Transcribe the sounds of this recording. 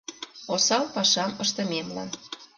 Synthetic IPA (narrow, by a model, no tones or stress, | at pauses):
osɑlpɑʃɑməʃt̪ə̆memlɑ̰n